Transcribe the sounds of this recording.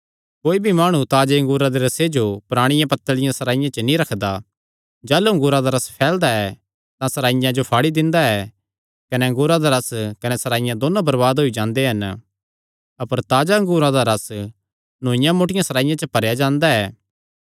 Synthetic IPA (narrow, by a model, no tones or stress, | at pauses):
koːibʱimaːɽ̃ũt̪aːd͡ʒeɐ̃ŋɡuːɾãd̪eɾɐsed͡ʒopʊɾaːɽ̃ɪ̃jãpɐt̪ːəlɪjãsɐɾaːɪjãt͡ʃənĩɾɐkʰd̪a | d͡ʒɛːluɐ̃ŋɡʊːɾad̪aɾɐspʰɛːld̪aɛ | t̪ãsɐɾaːɪjãd͡ʒopʰaːɽid̪ɪ̃nd̪aɛ | kɐnɛɐ̃ŋɡuːɾad̪aɾɐskɐnɛsɐɾaːɪjãd̪oːnãbɐɾbaːd̪ɦoid͡ʒãːnd̪eɦɐn | ɐpəɾt̪aːd͡ʒaɐ̃ŋɡuːɾãd̪aɾɐs | nõːɪ̃jãmoːʈɪjãsɐɾaːɪjãt͡ʃəpɐɾjad͡ʒãːnd̪aɛː